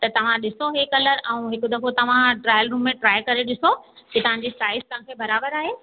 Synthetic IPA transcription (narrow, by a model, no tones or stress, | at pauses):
t̪ɐt̪ɐʋ̤ãɗɪsoɦekɐləɾɛ̃ũɦɪkʊd̪ɐkot̪ɐʋ̤ãʈɾaːjəlɾuːmːẽʈɾaːjkɐɾeɗɪsod͡ʑet̪ɐɦãɲd͡ʑesʈaːɪzt̪ɐ̃ɦãkʰeːbɐɾaːbəɾaːɦeː